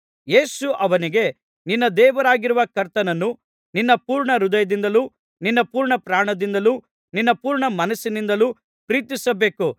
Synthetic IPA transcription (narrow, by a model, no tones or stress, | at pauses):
je̞ːsuʔɐʋɐniɡe̞ | ninːɐd̪ɛːʋɐɾaːɡiɾuʋɐkɐɾt̪ɐnɐnːu | ninːɐpuːɾɳɐɾud̪ɐjɐd̪ind̪ɐluː | ninːɐpuːɾɳɐpɾaːɳɐd̪ind̪ɐluː | ninːɐpuːɾɳɐmɐnɐsːinind̪ɐluː | pɾiːt̪isɐbe̞ːku